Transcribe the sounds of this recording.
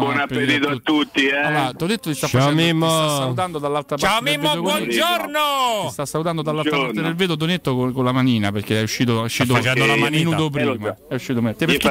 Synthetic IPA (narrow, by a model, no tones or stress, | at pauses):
bwɔnapeed̪iːt̪oat̪ːut̪ːiɛaat̪onet̪ːot̪ist̪aft͡ʃaat͡ʃmimːsoasalut̪and̪od̪alːalt̪ɾapt͡ʃaaɾomimːod̪okbwɔnd͡ʒoɾnost̪asːalut̪and̪od̪alːalɾapaɾt̪ed̪elveːd̪ot̪̬onet̪ːokokolamaniːnaperkeɛuʃːiːt̪̬oɛuʃːiːt̪̬ot͡ʃɛolamaninuːt̪op̬ɾimaɛuʃːiːt̪omt̪ːepek